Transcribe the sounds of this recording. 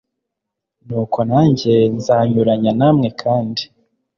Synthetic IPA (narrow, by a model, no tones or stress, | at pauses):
nuːkʰo̞naːɲɟenzaːɲuɾaɲanaːmŋe̞kʰaːndi